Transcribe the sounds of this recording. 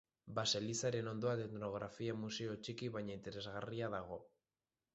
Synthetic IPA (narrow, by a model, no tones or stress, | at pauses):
baselisaɾe̞no̞nd̪o̞at̪et̪no̞ɣ̞ɾafiamuse̞o̞t͡ʃikiβajɲaint̪e̞ɾe̞zɣariaðaɣ̞o̞